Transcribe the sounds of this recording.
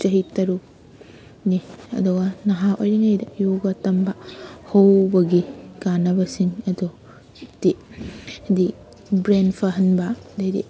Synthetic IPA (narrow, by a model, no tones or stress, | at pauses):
t͡ʃɐɦitɐɾu | niɐ̰duɡɐnɐɦaojɾɐŋɐjdɐjoɡɐtɐmbɐhɐwbɐɡikanɐbɐsiŋɐdu | ti | hɐdi | bɾenpʰɐɦɐnbɐdɐɾḭ